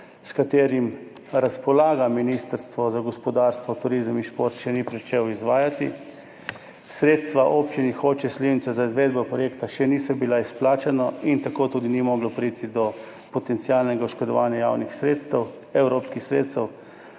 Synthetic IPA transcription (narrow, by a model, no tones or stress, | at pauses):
skat̪eːɾim | ɾaspɔlaːɡaminist̪əɾst̪ʋɔzaɡɔspɔd̪aːɾst̪ʋɔt̪uɾizminʃpoɾt̪ʃɛnipɾit͡ʃewizʋaːjat̪ḭ | sɾeːt̪st̪ʋaʔopt͡ʃinixoːt͡ʃɛslewnit̪t͡s̪ɛzaizʋeːd̪̚bɔpɾɔjekt̪aʃɛnisɔbilaisplaːt͡ʃɛnaint̪akoːt̪uːd̪inimɔːɡlɔpɾiːt̪id̪ɔ | pɔt̪ɛnt̪sialnɛɡauʃkɔd̪ɔʋaːnjaja̰ːwnixsɾeːt̪st̪ɛw | ɛwɾoːpskixsɾeːt̪st̪ɛw